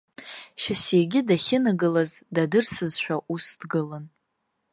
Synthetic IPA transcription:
ʃasejɡʲɪdaχʲɪnɨɡɨlazdadɨrsɨzʃᶣaʔusdɡɨlan

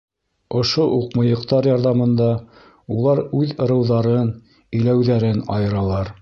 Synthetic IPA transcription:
ŏʃoʔuqmɤ̆jɤ̆qt̪ɑɾjɑɾðɑmɤ̆nd̪ɑ | ulˠɑɾʉðɤ̆ɾɤ̆wðɑɾɤn | ɘ̆jlæwðæɾɘnɑ̰jɤ̆ɾɑlˠɑɾ

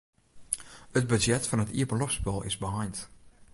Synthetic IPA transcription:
ət̚bəd͡ʒjɛtfɑnətḭəpəlɔfspɛlˠɪ̰zbəɦajnt

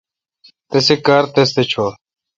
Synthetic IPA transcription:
t̪esekaːɾt̪es̬t̪et͡ɕʰoː

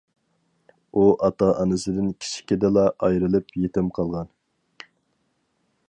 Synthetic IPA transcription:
uʔɑt̪ɑʔɑnɨsɨd̪ɪnkʲʰi̥ʃi̥kʲid̪ɪlˠɑʔɑjɾɨlˠɨpjet̪ɪmqʰɑlˠʁɑn

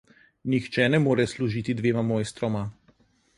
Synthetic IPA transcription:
nixt͡ʃɛnɛmoːɾɛsluʒiːt̪id̪ʋeːmamoːjst̪ɾɔma

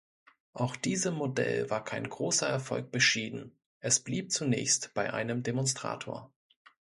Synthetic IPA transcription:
ʔaʊxd̥iːzəmodɛ̰lvaːɐkʰaɪnɡʁoːsɐɛɐfɔ̰lk̚b̥əʃiːdn̩ | ʔɛsb̥liːp̚t͡sunɛ̰ːçstb̥aɪʔa̰ɪnəmdemɔnstʁ̥a̰ːtʰoːɐ

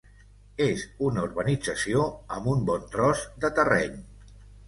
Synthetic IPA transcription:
ezunəuɾβənid͡zəsioəmumbɔnt̪ɾɔzd̪ət̪ərɛ̰ɲ

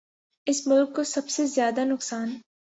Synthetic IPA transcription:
ɪsmʊlkːosɐbsezjaːd̪anʊksaːn

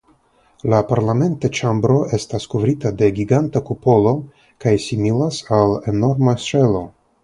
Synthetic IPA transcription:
lapaɾlame̞ntet͡ʃambɾo̞ʔe̞staskuvɾitade̞ɡʲiɡantakupo̞lo̞ | kajsimilasaleno̞ɾmase̞lo̞

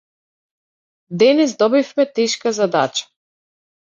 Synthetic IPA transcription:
d̪ɛnɛsd̪ɔbifmɛt̪ɛʃkazad̪a̰t͡ʃḁ

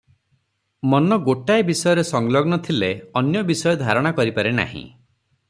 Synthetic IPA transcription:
mɔnɔɡoʈaebisɔjɔɾesɔŋlɔɡnɔt̪ʰileɔnjɔbisɔjɔd̪ʱaɾɔɽ̃akɔɾipaɾena̰ɦḭ̃

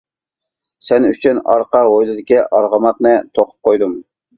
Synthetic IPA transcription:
sɛnyt͡ʃʰynɑ̰ɾqɑojlˠɨd̪ɪkʲiʔɑɾʁɑmɑqnɨt̪ʰoqʰʊ̥p̚qʰojd̪um

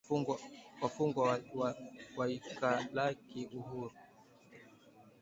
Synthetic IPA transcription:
wafuŋɡwawawaikalakiʔuɦuɾu

